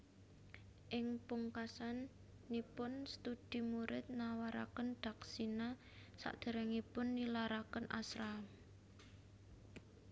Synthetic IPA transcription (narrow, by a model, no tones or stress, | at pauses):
ʔɪŋpuŋkasanː | ipʊnst̪ud̪̥i̤muɾɪt̪̚nawaɾa̰kənd̪̥a̤ksina | sa̰ʔd̪̥ə̤ɾɛŋipʊnːilaɾakənʔa̰sɾam